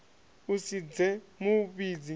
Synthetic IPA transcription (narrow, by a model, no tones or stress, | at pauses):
usid͡zɛmuɓid͡zi